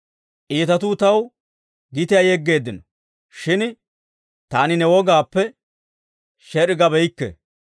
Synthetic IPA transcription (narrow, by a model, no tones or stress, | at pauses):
ʔiːt̪ɐt̪uːt̪ɐw | ɡɪt̪ɪjajɛɡːe̞ːd̪ːɪnɔ | ʃɪn | t̪aːnɪnɛwɔɡaːpːɛ | ʃɛɾɪɡɐbɛjkːɛ̰